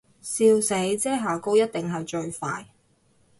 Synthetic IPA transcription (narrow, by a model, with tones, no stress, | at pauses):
siː˧wse˨˥jt͡sɛː˥˩ɦaː˨ko˥wjɐ˥t̚t̪ɪ˨ŋɦɐ˨jt͡ʃɵ˧ɥfaː˧j